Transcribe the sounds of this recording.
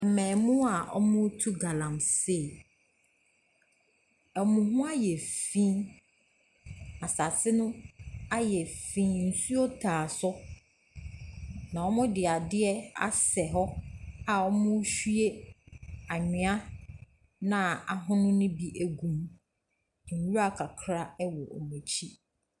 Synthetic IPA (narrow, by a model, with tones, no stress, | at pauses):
m̩˨mɛ̃˨mʊ̃˦a˨ʔɔ̰˦mʊ̃˦tʰu˦ɡa˨lã˨mse˦˨ | ɛ˨mʊ̃˨ɦʊ̃˦a˦jɛ˨fĩ˦ | a˨sa˨sʰɪ˦nʊ̃˦a˦jɛ˨fĩ˦n̩˨su˦o˦tʰaː˨sʊ˦ | nã˨wɔ˦mʊ̃˦dɪ˨a˨dɪ˦ɛ˦a̰˦sɛ˨ɦɔ˦a˨ɔ˦mʊ̃˦ɕᶣu˦e˦ | a˨ɲᶣɪ̃˨˦a˦ | nã˨a˨ɦʊ̃˦nʊ̃˦nʊ̃˦bi˦ʔæ˨ɡũ˨m˨ | ŋ˨wu˦a˦˨kʰa˨kʰɾa˦ɛ˦wɔ˨ʔɔ̰˨mɛ̃˨t͡ɕʰi˦